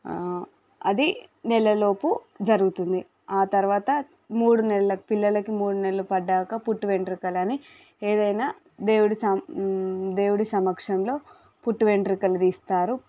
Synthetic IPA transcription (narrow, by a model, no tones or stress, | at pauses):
ɐd̪inɛlɐlo̞ːpu | d͡ʒɐɾuɡut̪und̪i | aːt̪ɐɾuʋaːt̪ɐ | muːɽunɛlɐlɐkpilːɐlɐkimuːɽunɛlɐlupɐɖːaːkɐpuʈːuʋe̞ɳɖɾikɐlɐni | eːd̪ɐjnaː | d̪e̞ːwuɽisɐmd̪e̞ːwuɽisɐmɐkʂɐmlo̞ː | puʈːuʋe̞ɳɖɾikɐlɐd̪iːst̪aːɾu